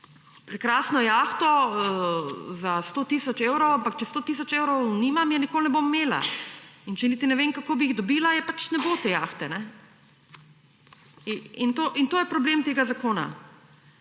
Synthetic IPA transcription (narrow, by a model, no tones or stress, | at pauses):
pɾɛkɾaːsnɔjaxt̪ɔ | zast̪oːt̪isɔt͡ʃewɾowampak̚t͡ʃɛst̪oːt̪is̬ɔt͡ʃeːwɾɔwnimamjɛnikoːlnɛbomːeːla̰int͡ʃɛnit̪inɛʋeːŋkakoːbiiɣd̪ɔbiːlajɛpat͡ʃnɛbot̪ejaːxt̪ɛnɛ | int̪oʔint̪oːjɛpɾɔbleːmt̪eːɡazakoːna̰